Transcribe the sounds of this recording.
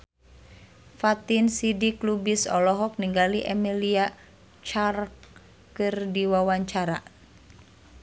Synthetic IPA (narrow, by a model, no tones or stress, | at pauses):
fat̪insidiklubisɔlɔɦɔk̚niŋɡaliʔɛmilia | t͡ʃark | kɨrdiwawaɲt͡ʃaɾa